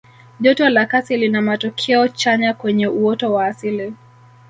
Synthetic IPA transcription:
ʄɔtɔlakasilinamatɔkʰɛɔt͡ʃaɲakwɛɲɛuɔtɔwaːsili

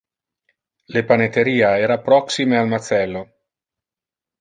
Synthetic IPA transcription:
lepanet̪eɾiːaɛːɾapɾɔksimealmat̪sɛlːo

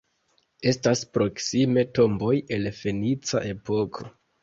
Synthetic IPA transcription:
e̞staspɾo̞ksime̞to̞mbo̞je̞lfe̞nit͡sa̰ʔe̞po̞kʰo̞

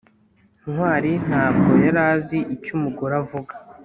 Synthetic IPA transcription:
nwaːɾin̥haːb̚ɡo̞jaɾaːziʔicumuɡuɾavuɡa

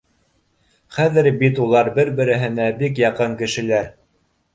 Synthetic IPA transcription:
χæðɘɾbit̪ulˠɑɾbɘɾbɘ̆ɾɘ̆ɦɘ̆næbikjɑqɤŋkɘ̆ʃɘ̆læɾ

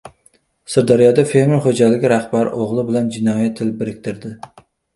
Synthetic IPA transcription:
sɪɾd̪ɒɾɪjɒd̪afe̞ɾmɪɾχod͡ʒalɪɡʲɪɾaχbaɾɪ̰ʔoʁlˠɪbɪland͡ʒɪnɒjat̪ʰːɪlbɪɾɪk̚ʲt̪ʰɪɾd̪ɪ

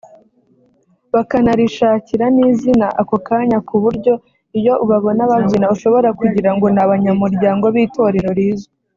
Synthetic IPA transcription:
βakanaɾiʃaːciɾaniːzinaʔakokaːɲakuβuɾɟo̞ | ijo̞ʔuβaβo̞naβavinauʃo̞βo̞ɾakuɟiɾaŋɡo̞naβaɲamuɾɟaːŋɡo̞βiːto̞ɾe̞ɾo̞ɾiːzo

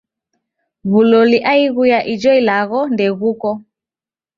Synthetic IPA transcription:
βulɔliʔaiɣujaʔid͡ʒɔilaɣɔndɛɣukɔ

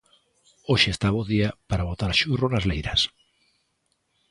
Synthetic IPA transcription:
oʃeːst̪aβoðiapaɾaβot̪aɾaʃuronazlejɾɐs

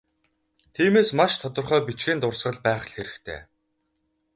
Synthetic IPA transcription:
t̪ʰiːmeːsmaʃt̪ʰɔt̪ɞ̆rχœːpit͡ɕɡeːnt̪ʊrsɢə̆ɮpæːχ̆ɮxeɾɘ̆xt̪ʰḛː

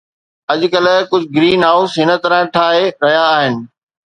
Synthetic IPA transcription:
ɐʄ̆kɐlkʊd͡ʑʱɡɾiːnɦaːʊsɦɪnə̆t̪ɐɾə̃ʈʰaːɦeɾɐɦijaːɦɪnɪ̆

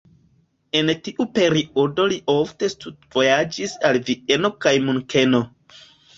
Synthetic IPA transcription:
e̞ntiʔupe̞ɾiʔo̞do̞liʔo̞fte̞studv̥o̞jad͡ʒisalviʔe̞no̞kajmuŋke̞no̞

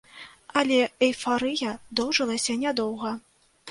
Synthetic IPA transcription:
ɐlʲɛɛjfaɾɨjɐd̪ɔwʐɨlˠɐsʲɐnʲad̪ɔwɣɐ

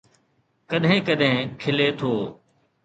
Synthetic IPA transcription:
kəɗɦɪ̃ːkəɗɦɪ̃ːkʰɪleːt̪ʰoː

